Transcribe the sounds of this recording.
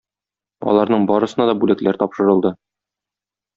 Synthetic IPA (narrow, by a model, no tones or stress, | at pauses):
ɒ̰lˠɑɾnɤɴbɒɾɤ̆sɤ̆nɑd̪ɒbʉlæklæɾt̪ɒpʃɤ̆ɾɤ̆lˠd̪ɤ